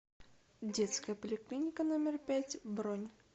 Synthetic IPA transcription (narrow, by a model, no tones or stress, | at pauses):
dʲet̪skəjəpəlʲɪklʲinʲɪkənomʲɪrpʲætʲbɾonʲ